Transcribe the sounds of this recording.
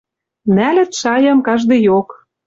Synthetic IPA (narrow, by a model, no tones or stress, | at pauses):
nælɘ̆t̪ʃɑjɑmkɑʒd̪ĕjok